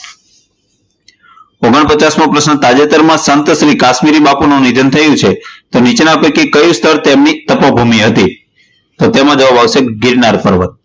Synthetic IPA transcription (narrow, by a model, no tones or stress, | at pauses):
oɡəɳpət͡ʃasmãpɾəsnət̪ad͡ʒet̪əɾmãsənt̪sɾikaʃmiɾibapunũnid̪ʱənt̪ʰəjũt͡ʃʰet̪onit͡ʃenapəkikəjũst̪ʰəɾt̪emnit̪əpobʱumiɦət̪i | t̪ot̪emãd͡ʒəʋabaʋseɡiɾnaɾpəɾʋə̰t̪̚